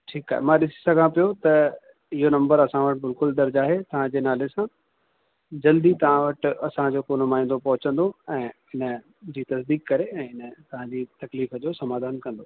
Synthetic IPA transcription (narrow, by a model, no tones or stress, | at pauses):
ʈʰiːkaːɦḛmãɗɪsi̥sɐɡʱãpijot̪ɐ | ɪɦonɐ̃mbəɾɐsãʋɐʈbɪlkʊld̪ɐɾd͡ʑaːɦet̪ɐʋ̤ãd͡ʑeːnaːlesã | d͡ʑɐld̪it̪ɐʋ̤ãʋɐʈ̆ɐsãd͡ʑoːkoːnʊmaːĩːn̆d̪opɐɦʊt͡ɕə̃nd̪oɛ̃ː | ɪnə̆ | d͡ʑiːt̪ɐsd̪iːkkːɐɾeɛ̃ːɦɪnə̆t̪ɐʋ̤ãd͡ʑiːt̪ɐkliːfəd͡ʑoːsɐmaːd̪ʱaːnkɐ̃nd̪o